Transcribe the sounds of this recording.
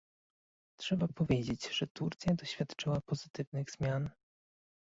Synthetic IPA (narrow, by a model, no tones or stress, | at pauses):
tʂɛbapɔvʲjed͡ʑed͡ʑʐ̥ɛt̪uɾt̪sʲjad̪ɔɕfʲjat̪t͡ʂɘwapɔzɘt̪ɘvnɘɣz̥mʲjan